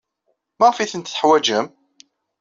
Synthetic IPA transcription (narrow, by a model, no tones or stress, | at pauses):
mæʁfiθənt̪θəħwæd͡ʒəm